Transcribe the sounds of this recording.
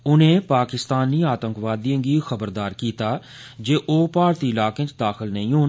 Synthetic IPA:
ʊnẽːpaːkɪst̪aːniːaːt̪ə̃ŋkʋaːd̪iə̃ɡiːxəbəɾd̪aːɾkiːt̪aː | d͡ʒeːʔoːpaːɾt̪iːɪlaːkẽt͡ʃd̪aːxɪlnə̰ĩːɦoː

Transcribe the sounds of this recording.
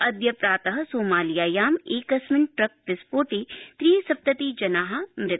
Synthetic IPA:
ɐd̪jɐpɾaːt̪ɐɦɐsoːmaːlijaːjaːmeːkɐsmɪnʈɾɐk̚pɪspoːʈiːt̪ɾiːsɐp̚t̪ɐt̪iːd͡ʒɐnaːɦɐ̆mɾɪt̪

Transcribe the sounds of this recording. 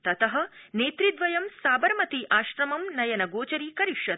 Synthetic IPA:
t̪ɐt̪ɐɦɐ̆neːt̪ɾid̪ʋɐjɐmsaːbɐɾmɐt̪iʔaːʃɾɐmɐmnɐjɐnɐɡoːt͡ʃɐɾiːkɐɾiʃjɐt̪̚

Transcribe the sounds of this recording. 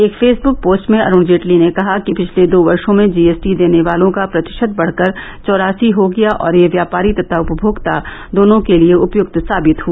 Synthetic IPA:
eːkfeːsbʊk̚poːsʈmẽɐ̰ɾʊ̃ːɳd͡ʒeːʈlinekɐɦakipɪt͡ʃʰled̪oːʋɐɾʃõmẽd͡ʒiːeːsʈid̪eːneʋaːlõkapɾɐt̪ɪ̥ʃət̪̚bɐɽ̤kəɾ | t͡ʃɔːɾaːsiɦoɡɐjaʔɔ̰ːɾjeʋjaːpaːɾit̪ɐt̪ʰaʊpəbʱoːɡt̪a | d̪oːnõkelieʊpjʊɡ̚t̪saːbɪt̪ɦua

